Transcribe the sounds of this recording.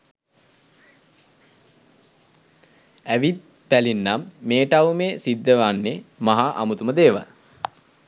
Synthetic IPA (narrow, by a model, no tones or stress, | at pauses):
æʋit̪̚ | pælinːamːeːʈawmeːsid̪ːəʋanːemaɦaʔa̰mut̪uməd̪eːʋa̰l